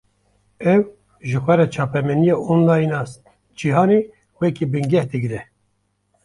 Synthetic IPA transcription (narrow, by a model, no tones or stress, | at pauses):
ɛw | ʒɨxʷɛɾɛt͡ʃʰɑːpɛmɛnijɑonlɑːjnɑːs | d͡ʒiɦɑːne | wɛkibɨŋɡɛhd̪ɨɡɾɛ